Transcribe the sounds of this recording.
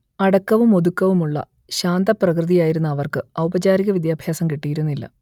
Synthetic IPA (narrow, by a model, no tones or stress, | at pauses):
ɐɽɐkːɐʋumo̞d̪ukːɐʋumuɭːɐ̰ | ɕaːnd̪ɐprɐkrɨðijaːjiɾunːɐːʋɐrkɨɐwubɐt͡ɕaːɾiɣɐʋid̪jaːbʱjaːsɐmkiʈːijiɾunːilːɐ̰